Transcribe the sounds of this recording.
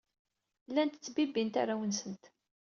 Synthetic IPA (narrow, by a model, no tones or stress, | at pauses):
lːænt̪ət͡sːbibint̪a̰ɾawənsənt̪